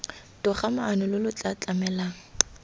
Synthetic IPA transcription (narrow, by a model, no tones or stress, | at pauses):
tʼʊχamaːnʊlʊlʊt͡ɬʼat͡ɬʼamɛlaːŋ̩